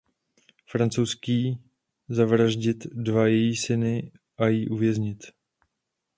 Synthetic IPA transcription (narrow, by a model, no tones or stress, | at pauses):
fɾant͡sowskiː | zavɾaʒɟɪt̪dvajɛjiːsɪnɪ | ʔajiːʔuvjɛzɲɪt̪